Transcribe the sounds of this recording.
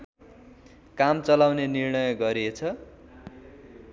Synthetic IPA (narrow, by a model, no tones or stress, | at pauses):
kamt͡sʌlawnenirɳʌjʌɡʌɾiet͡sʰʌ